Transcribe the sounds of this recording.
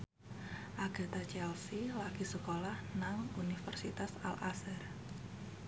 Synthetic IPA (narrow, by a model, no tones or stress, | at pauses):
ʔaɡ̥a̤t̪at͡ʃɛlsilakisəkolahnaŋunifərsit̪asa̰lʔasər